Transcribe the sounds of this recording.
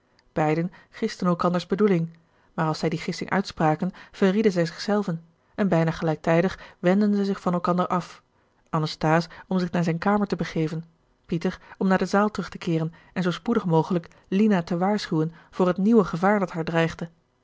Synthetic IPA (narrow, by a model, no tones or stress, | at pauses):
b̥ɛjdənχɪstənɛlˠkɑndəɹzbədulɪŋ | maːɹɑlˠsɛjdiχɪsɪ̰ŋʔœ̰ɥtspraːkənv̥əridənzɛjzɪχsɛlˠvən | ɛnbɛjnaχəlɛjk̚tɛjdəχʋɛndənzəzɪχfɑnɛlˠkɑndəɹʔɑf | ʔɑnəstaːsɔmzɪχnaːɹzɛjnkaːməɹtəbəχejvən | pitəɹɔmnaːdəzaːlˠtəʁɵχtəkɪːʁən | ɛnzowspudəχmowχələk | linatəʋaːɹsχywənv̥ʊːrɦətniwəχəvaːɹdɑtɦaːɹdrɛjχdə